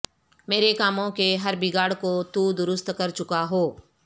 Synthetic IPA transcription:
meːɾekaːmõkeɦɐɾbɪɡaːɽkot̪ud̪ʊɾʊst̪kɐɾt͡ʃʊkaɦoː

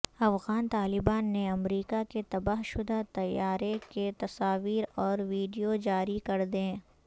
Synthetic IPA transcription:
ɐfɣaːnt̪aːlɪbaːnːeɐmɾiːkaket̪ɐbaɦʃʊd̪at̪ɐjːaːɾeket̪ɐsaːʋiːɾɔːɾʋiːɖijod͡ʒaːɾikɐɾd̪ẽː

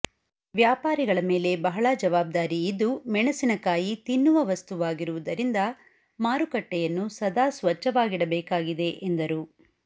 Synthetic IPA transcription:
ʋjaːpaːɾiɡɐɭɐme̞ːle̞bɐɦɐɭad͡ʒɐʋaːb̚d̪aːɾiːd̪ːumɛɳɐsinɐkaːjit̪inːuʋɐʋɐst̪uʋaːɡiɾuʋud̪ɐɾind̪ɐ | maːɾukɐʈːɛjɐnːusɐd̪aːsʋɐt͡ʃːɐʋaːɡiɽɐbɛːkaːɡid̪e̞ʔend̪ɐɾu

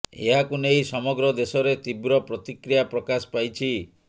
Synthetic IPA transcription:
ḛɦakunejsɔmɔɡɾɔd̪esɔɾet̪ibɾɔpɾɔt̪ikɾijapɾɔkaspajt͡ʃʰi

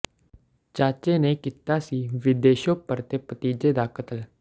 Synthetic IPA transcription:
t͡ʃaːt͡ʃeːneːkit̪aːsiːʋɪd̪eːʃopəɾt̪eːpət̪iːd͡ʒeːd̪aːkət̪əl

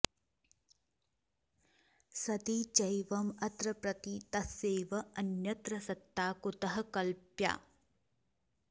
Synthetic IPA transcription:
sɐt̪it͡ʃɐjʋɐmɐt̪ɾɐpɾɐt̪it̪ɐseːʋɐɐnjɐt̪ɾɐsɐt̪ːaːkut̪ɐɦɐkɐlpja̰ː

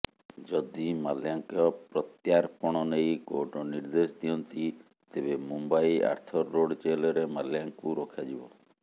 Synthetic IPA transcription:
d͡ʒɔd̪imaljaŋkɔpɾɔt̪jaɾpɔɽ̃ɔnejkoʈɔniɾd̪esd̪iɔnt̪i | t̪ebemumbaia̰ɾt̪ʰɔɾːoɖt͡ʃelɔɾemaljaŋkuɾɔkʰad͡ʒibɔ

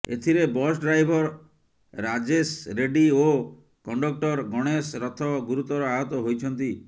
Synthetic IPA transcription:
et̪ʰiɾebɔsɖɾajbʱɔɾː | ad͡ʒesɾeɖio | kɔɳɖɔk̚ʈɔɾɡɔɽ̃esɾɔt̪ʰɔɡuɾut̪ɔɾɔaɦɔt̪ɔɦojt͡ʃʰɔnt̪i

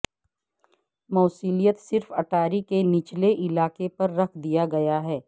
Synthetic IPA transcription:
mɔːsiːlijət̪sɪɾfɐʈʰaːɾikenɪt͡ʃleʔɪlaːkepɐɾːɐkʰd̪ijaɡɐjaɦɛː

